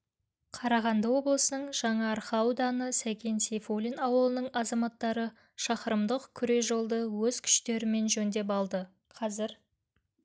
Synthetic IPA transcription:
qʰɑɾɑʁɑnd̪əwo̞blˠəsənəɴʒ̥ɑɴɑɾχɑwd̪ɑnəsækʲe̞nsejfolʲinɑwəlˠənəɴɑzɑmɑt̪ːɑɾə | ʃɑqəɾəmd̪əqkʲʰʏɾe̞sʒo̞lˠd̪əwɵzkʲʰʏ̥ʃt̪e̞ɾɪme̞nʒɵnd̪e̞p̬ɑlˠd̪ə | qʰɑzɪɾ

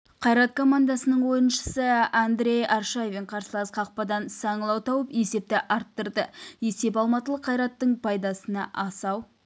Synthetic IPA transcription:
qʰɑjɾɑt̪̚kʰo̞mand̪ɑsənəɴwo̞jənʃə̥səand̪ɾʲe̞jɑɾʃajvʲeɴqʰɑɾsəlˠɑsqʰɑq̚pɑd̪ɑnsɑɴəlˠɑwt̪ʰɑwəpe̞se̞p̚t̪ɪʔɑɾt̪ːəɾd̪əe̞se̞p̬ɑlˠmɑt̪əlˠəqʰːɑjɾɑt̪ːəɴpʰɑjd̪ɑsənɑʔɑsɑw

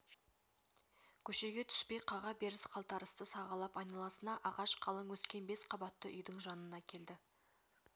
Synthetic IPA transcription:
kʲʰɵʃe̞ɡʲe̞t̪ʰʏ̥spe̞jqʰɑʁɑbe̞ɾɪsqʰɑlˠt̪ɑɾəst̪əsɑʁɑlˠɑpɑjnɑlˠɑsənɑʔɑʁɑʃqʰɑlˠəŋwɵskʲe̞nbe̞sqʰɑbɑt̪ːəʔʏ̰jd̪ɪŋʒɑnənɑkʲʰe̞ld̪ɪ

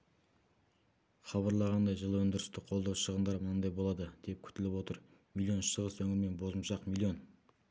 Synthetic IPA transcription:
χɑβɑɾlˠɑʁɑnd̪ɑjʒəlˠwɵnd̪ɪɾɪst̪ɪqʰo̞lˠd̪ɑwʃəʁənd̪ɑɾmənɑnd̪ɑjbo̞lˠɑd̪əd̪̥e̞p̚kʲʰʏ̥t̪ɪlɪpwo̞t̪əɾ | mʲilʲˠijo̞nʃəʁəsɵŋʲɪme̞nbo̞zəmʃɑqmʲilˠːijo̞n

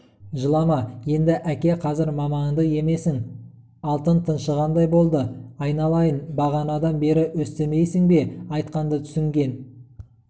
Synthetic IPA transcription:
ʒəlˠɑmɑje̞nd̪ɪʔækʲe̞qʰɑzɪɾmɑmɑɴd̪əje̞me̞sɪŋ | ɑlˠt̪ənt̪ʰənʃəʁɑnd̪ɑjbo̞lˠd̪əɑjnɑlˠɑjənbɑʁɑnɑd̪ɑnbe̞ɾɪwɵst̪e̞me̞jsɪŋbe̞ɑjt̪qɑnd̪ət̪ʰʏ̥sɪŋɡʲe̞n

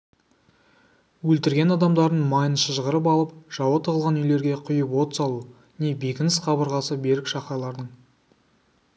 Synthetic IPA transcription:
wɵlt̪ɪɾɡʲe̞nɑd̪ɑmd̪ɑɾd̪ənmɑjənʃəʒəʁəɾəp̬ɑlˠəpʒ̥ɑwɑt̪ʰəʁəlˠʁɑnʏjle̞ɾɡʲe̞qʰʊjəpwo̞t̪sɑlˠu | ne̞jbekʲɪnɪsχɑbəɾʁɑsəbe̞ɾɪkʃɑχɑlˠɑɾd̪əɴ

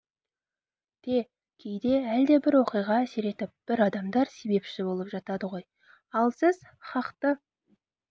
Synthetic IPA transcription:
t̪ʰe | kʲʰejd̪e̞æld̪e̞bɪɾwo̞qijʁɑæse̞ɾe̞t̪ɪp̚b̥ɪɾɑd̪ɑmd̪ɑɾse̞be̞pʃɪbo̞lˠəpʒɑt̪ɑd̪əʁo̞j | ɑlˠsɪz̥ | χɑqt̪ə

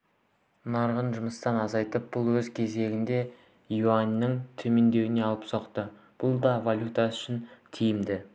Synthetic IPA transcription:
nɑɾʁənʒʊməst̪ɑnɑzɑjt̪əp̚b̥ʊlˠwɵzkʲʰe̞ze̞ɡʲɪnd̪e̞ | juanːɪŋt̪ʰɵme̞nd̪e̞wɪne̞ɑlˠəpsoqt̪ə | b̥ʊlˠd̪ɑvalʲjut̪ɑʏʃɪnt̪ʰijɪmd̪ɪ

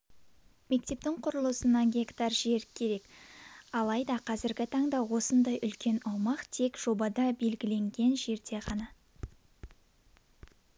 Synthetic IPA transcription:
me̞k̚t̪e̞p̚t̪ɪŋqʰʊɾəlˠəsənɑnɡʲe̞kt̪ɑrʒeɾkʲʰːe̞ɾe̞kɑlˠɑjd̪ɑqʰɑzɪɾɡʲɪt̪ʰɑɴd̪ɑwo̞sənd̪ɑjʔʏlkʲe̞nɑwmɑqt̪ʰe̞kʒ̥o̞bɑd̪ɑbe̞lɡʲɪle̞ŋɡʲe̞nʒe̞ɾd̪e̞ʁɑnɑ

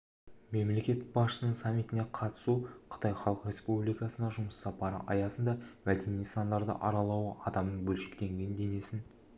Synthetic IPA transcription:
me̞mle̞kʲe̞t̪b̥ɑsʃəsənəɴsɑmʲːit̪ɪne̞qʰɑt̪ə̥suqʰə̥t̪ɑjχɑlˠəqɾʲe̞spublijkɑsənɑʒʊməsːɑpɑɾə̰ʔɑ̰jɑsənd̪ɑmæd̪e̞nijsɑnd̪ɑɾd̪ə̰ʔɑɾɑlˠɑwəɑd̪ɑmnəɴbɵlʃɪkt̪e̞ŋɡʲe̞nd̪e̞ne̞sɪn

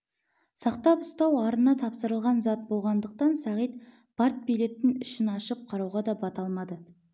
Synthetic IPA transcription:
sɑqt̪ɑpʊst̪ɑwɑɾənɑt̪ʰɑpsəɾəlˠʁɑnzɑt̪̚bo̞lˠʁɑnd̪əq̚t̪ɑnsɑʁijt̪ | b̥ɑɾt̪̚bijle̞t̪ːɪnʏʃɪnɑʃəp̚qʰɑɾɑwʁɑd̪ɑbɑt̪ɑlˠmɑd̪ə

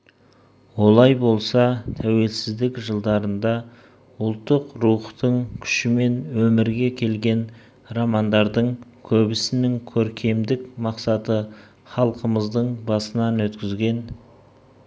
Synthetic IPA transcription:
wo̞lˠɑjbo̞lˠsɑt̪ʰæwe̞lsɪzd̪ɪkʒəlˠd̪ɑɾənd̪ɑ | ʊlˠt̪ːəqruχt̪əɴkʲʰʏ̥ʃɪme̞nwɵmɪɾɡʲe̞kʲʰe̞lɡʲe̞n | rɑmɑnd̪ɑɾd̪əɴkʲʰɵbɪsɪnɪŋkʲʰɵɾkʲʰe̞md̪ɪkmɑqsɑt̪ə | χɑlˠqəməzd̪əɴbɑsənɑnwɵt̪kʲɪzɡʲe̞n

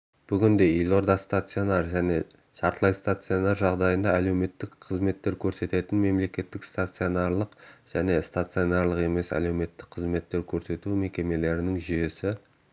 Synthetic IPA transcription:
b̥ʏɡʲɪnd̪e̞ilˠo̞ɾd̪ɑst̪at̪sɨo̞nɑɾʒæne̞ | ʃɑɾt̪əlˠɑjst̪at̪sɨio̞nɑɾʒɑʁd̪ɑjənd̪ɑæle̞wme̞t̪ːɪkqʰəzme̞t̪ːe̞ɾkʲʰɵɾse̞t̪e̞t̪ɪnme̞mle̞kʲe̞t̪ːɪkst̪at̪sɨonɑɾlˠəqʒ̥æne̞st̪at̪sɨo̞naɾlˠəqe̞me̞sæ̰le̞wme̞t̪ːɪ̥k̚qʰəzme̞t̪ːe̞ɾkʲʰɵɾse̞t̪ume̞kʲe̞me̞le̞ɾɪnɪŋʒʏje̞sɪ

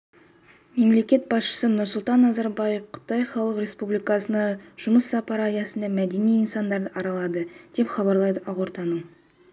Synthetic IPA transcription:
me̞mle̞kʲe̞t̪̚bɑsʃə̥sənʊɾsʊlˠt̪ɑnːɑzɑɾbɑjefqʰə̥t̪ɑjχɑlˠəqɾʲe̞spublijkɑsənɑʒ̥ʊməsːɑpɑɾɑjɑsənd̪ɑmæd̪e̞nijinsɑnd̪ɑɾd̪əʔɑɾɑlˠɑd̪əd̪̥e̞pχɑβɑɾlˠɑjd̪əʔɑʁwoɾt̪ɑnəɴ

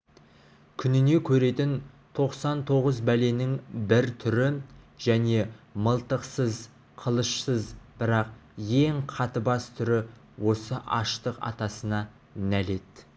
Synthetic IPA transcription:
kʲʰʏnɪne̞kʲʰɵɾe̞t̪ɪn | t̪ʰo̞qsɑnt̪ʰo̞ʁəzbæle̞nɪŋbɪɾt̪ʰʏɾɪ | ʒ̥æne̞məlˠt̪əqsəz | qʰəlˠəʃsəzb̥ɪɾɑqje̞ŋqʰɑt̪əbɑst̪ʰʏɾɪ | wʔo̞səʔɑ̰ʃt̪əqɑ̰t̪ɑsənɑ | næle̞t̪

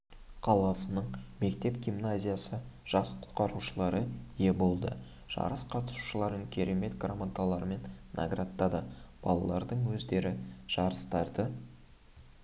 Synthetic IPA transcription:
qʰɑlˠɑsənəɴme̞kt̪e̞pɡʲimnazʲijasəʒ̥ɑsqʰʊ̥t̪qɑɾuʃəlˠɑɾəje̞bo̞lˠd̪ə̰ | ʒ̥ɑ̰ɾəsqʰɑt̪ə̥su̥ʃəlˠɑɾəŋkʲʰe̞ɾʔe̞me̞t̪ɡramant̪alˠɑɾme̞nːa̰ɡrat̪ːɑd̪əb̥ɑ̰lˠɑlˠɑɾd̪əɴwɵzd̪e̞ɾɪʒ̥ɑɾəst̪ɑɾd̪ə

